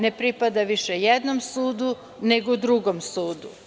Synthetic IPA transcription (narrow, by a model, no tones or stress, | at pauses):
ne̞pɾipad̪aʋiʃejed̪nomsuːd̪u | neɡod̪ɾuɡomsuːd̪u